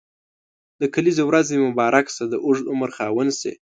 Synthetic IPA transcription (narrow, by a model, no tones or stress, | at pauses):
d̪əkalizewɾazemʊbɑɾʔaksad̪əʔʊʐʊməɾxɑwənsḛ